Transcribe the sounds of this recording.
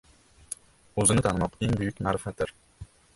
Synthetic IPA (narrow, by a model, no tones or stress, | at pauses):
ɵzɪnɪt̪ʰanɪmɑqeŋbʊjʏkʲmaɾɪfat̪ːɪɾ